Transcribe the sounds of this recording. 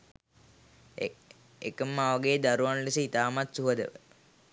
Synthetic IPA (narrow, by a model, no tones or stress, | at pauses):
ekəmːaːʋɐɡeːd̪aɾuʋanlisəit̪aːmat̪suɦəd̪ə̰ʋə̰